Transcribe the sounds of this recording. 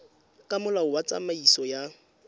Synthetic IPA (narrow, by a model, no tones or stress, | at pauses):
kʼamʊlaʊwat͡sʼa̰maisɔja